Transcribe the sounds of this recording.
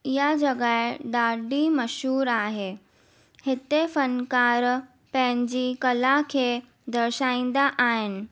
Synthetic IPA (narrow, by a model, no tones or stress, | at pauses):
jad͡ʑəɡajɖaɖiːməɕuːɾaːɦe | het̪efənkaɾ | pɛ̃ɲd͡ʑiːkəlakʰe | d̪əɾɕãĩnd̪aʔaɦen